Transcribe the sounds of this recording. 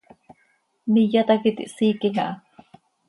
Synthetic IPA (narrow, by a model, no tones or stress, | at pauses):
mijat̪akit̪ḭʔsiːkiŋaʔa